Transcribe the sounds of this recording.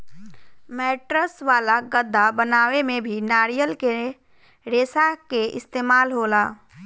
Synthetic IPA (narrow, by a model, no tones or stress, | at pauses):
mɛːʈɾəsʋaːlaɡəd̪ʱːabənaːwemẽbʱinaːɾijəlke | ɾeːsakeʔɪ̰st̪eːmaːlɦoːlaː